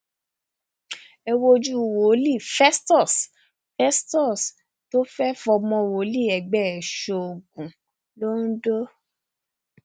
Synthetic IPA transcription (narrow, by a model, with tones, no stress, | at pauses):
ɛ˧wo˧d͡ʒu˦˨wo˨˦li˦˨fɛ˦stɔ˦˨s | fɛ˦stɔ˦˨s | to˦fɛ˦fɔ˧mɔ̃˧˨wo˨˦li˦˨ɛ˨ɡ͡bɛ˨ɛ˨ʃo˧o˨ɡ̚ũ˨ | lo˦n̩˦do˦